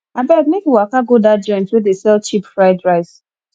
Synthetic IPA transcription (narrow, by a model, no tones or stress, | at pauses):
abɛk̚nekiwakaɡodad͡ʒɔ̃ɪ̃ntwedesɛlt͡ʃipfɹaɪdɹaɪs